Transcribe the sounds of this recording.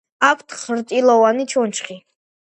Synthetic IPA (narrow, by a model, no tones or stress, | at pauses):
akʰt̪ʰχɾt̪ʼilɔwanit͡ʃʰɔnt͡ʃχi